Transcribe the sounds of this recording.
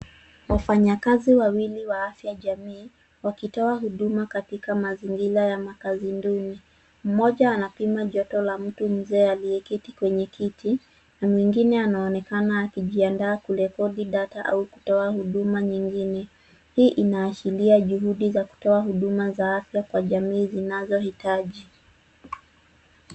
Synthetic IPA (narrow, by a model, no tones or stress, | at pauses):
wafaɲakaziwawiliwaafjaʄamiː | wakitɔaɦuɗumakatikamaziŋɡilajamakazinduni | m̩mɔʄaːnapimaʄɔtɔlam̩tum̩zɛːaliɛkitikwɛɲɛkʰitʰi | namwiŋɡinɛanaɔnɛkanaːkiʄiandaːkulɛkɔɗiɗataʔauku̥tɔahuɗumaɲiŋɡinɛ | hiːʔinaːʃiliaʄuhuɗizaku̥tɔaɦuɗumazaafjakwaʄamiːzinazɔhitaʄi